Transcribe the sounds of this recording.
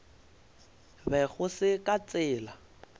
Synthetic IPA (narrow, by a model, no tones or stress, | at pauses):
bɛɣʊsɪkʼat͡sʼɪːla